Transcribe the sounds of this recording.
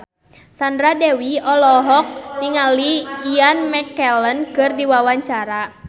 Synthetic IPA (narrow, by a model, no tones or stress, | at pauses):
sandɾadɛwiɔlɔɦɔk̚niŋaliːanmɛkɛlənkɨrdiwawaɲt͡ʃaɾa